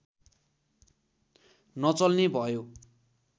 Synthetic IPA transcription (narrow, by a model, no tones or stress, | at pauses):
nʌt͡sʌlnebʱʌjo